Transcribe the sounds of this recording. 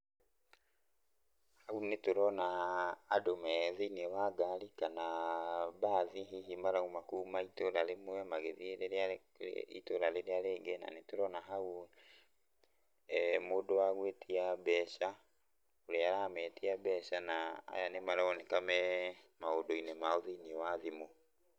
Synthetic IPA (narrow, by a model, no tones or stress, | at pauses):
haunetoɾɔnaː | domɛðiinewaɡalikanabaːðiɦiɦimaɾaumakuːmaitoɾalemɛmaɡeðiɾea̰ | ḭtoɾaleɾealeːɡɛna̰netoɾɔnaɦau | modowaɣwetʰiabɛʃa | oɾeaɾamɛtiabɛʃanaa̰janemaɾaɔnɛkamɛmaodoinɛmaoðiiniɛwaðimo